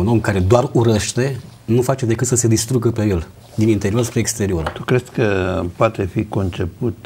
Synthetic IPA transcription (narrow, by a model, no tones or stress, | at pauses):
uno̞mkaɾe̞d̪oaruɾeʃt̪e̞ | nufat͡ʃe̞d̪e̞kɨt̪səse̞d̪ist̪ɾuɡəpe̞je̞l | d̪inint̪e̞ɾio̞rspɾeːkst̪e̞ɾio̞ɾt̪ukɾesskəpoat̪e̞fiko̞nt͡ʃe̞put̪